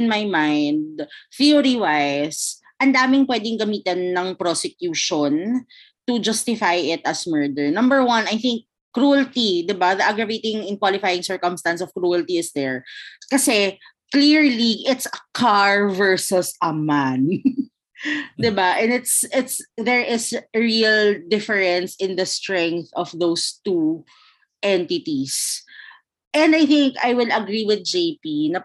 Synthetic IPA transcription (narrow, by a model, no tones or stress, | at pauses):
ɪnmajmãjnd̪θiʊɾiwajs | ʔɐnd̪aːmɪŋpwɛːd̪ɪŋɡɐmiːt̪ɐnːɐŋpɾosɛkjuːʃon | t̪ʊd͡ʒɐst̪ɪfajɪt̪ɐsmɛɹd̪ɛɹnɐ̃mbəɹwɐ̃nɐjθɪŋk̚ː | ɾuɐlt̪id̪ɪbaðɐʔaɡɹɐvejt̪ɪŋɪnkwalɪfajɪ̃ŋsɛɹkɔmst̪ɐnsɔv̥kɾuːɐlt̪iɪsd̪ɛɹkɐsɛ | kliɹliʔɪt̪sɐkʰaɹvɛɹsʊsɐman | d̪ɪbaʔɛ̃nɪt̪sɪt̪sðɛɹʔɪsɹild̪ɪfɛɹɛ̃nsɪ̃nd̪ɐst̪ɹɛ̃ŋk̚θɔfðowst̪u | ʔɛ̃nt̪ɪt̪is | ʔɛ̃nd̪ajθɪŋka̰jwɪlɐɡɾiwɪd̪̚d͡ʒejpinɐ